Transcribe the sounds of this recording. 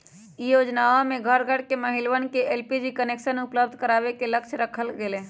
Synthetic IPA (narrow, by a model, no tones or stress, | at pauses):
ijoːd͡ʒnaomẽɡʱəɾɡʱəʈkeməɦilʋənkeelpid͡ʒikənekʃənʊpləbd̪ʱkəɾaːbekeləkt͡ʃʰɾəkʰəlɡele